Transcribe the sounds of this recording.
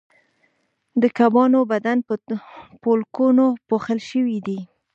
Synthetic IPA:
d̪əkabɑnobad̪anppolkunopoxəlʃəwid̪i

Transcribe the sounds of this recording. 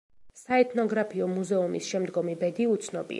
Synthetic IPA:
saɛt̪ʰnɔɡɾapʰiɔmuzɛumḭsʃɛmd̪ɡɔmibɛd̪iut̪sʰnɔbḭ

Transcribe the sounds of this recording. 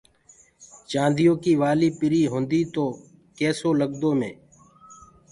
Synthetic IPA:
t͡ʃãːnd̪ɪjõːkiːʋaːliːpɪɾiːɦõːnd̪iːt̪oː | kɛːsoːləɠd̪oːmḛ̃ː

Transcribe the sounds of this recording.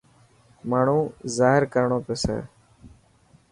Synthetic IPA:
maːɳ̤ũːzaːɦɪɾkəɾɳoːpoːsɛ̰ː

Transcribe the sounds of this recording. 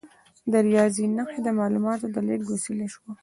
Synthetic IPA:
d̪əɾijɑzinəxed̪əmɑlumɑt̪od̪əleʈ̚ɡosileʃwa

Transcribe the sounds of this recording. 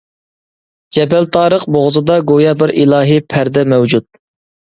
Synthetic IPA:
d͡ʒɛbælt̪ʰɑːɾəqboʁzɨd̪ɑɡojɑbɪɾilˠɑːɦɨpʰæɾd̪ɛmɛwd͡ʒut̪̚

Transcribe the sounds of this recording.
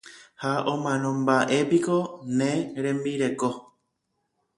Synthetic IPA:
haʔõmãnõmbaʔepikonẽɾẽmbiɾe̞ko

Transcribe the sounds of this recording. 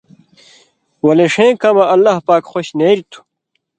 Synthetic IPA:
wɐleʂẽːkɐmɐʔɐlːahpaːkxoɕneːɾit̪ʰu̥

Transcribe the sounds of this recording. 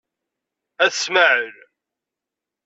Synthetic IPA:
æθsməʕəɾ

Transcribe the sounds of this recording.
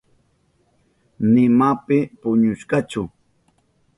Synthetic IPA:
nɪmapɪpʊɲʊʃkɑt͡ʃʊ

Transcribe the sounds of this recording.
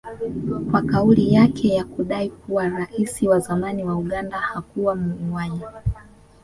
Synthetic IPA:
kwakaulijakʰɛjakuɗaikuwaɾaʔisiwazamaniwauɠandahakuwamuuwaɲa

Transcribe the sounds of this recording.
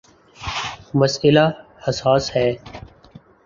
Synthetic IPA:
məsɪlaːhəsaːshɛː

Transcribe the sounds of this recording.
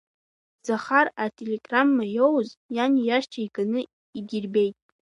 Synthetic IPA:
z̥aχaratʰʼeleɡ̥ramːajowzjanjaʃt͡ʃʰaiɡanɨ | iɡʲɪrbe̞jtʼ

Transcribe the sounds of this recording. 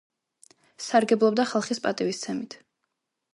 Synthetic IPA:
saɾɡɛblˠɔbd̪aχalˠχispʼat̪ʼivist̪sʰɛmit̪ʰ

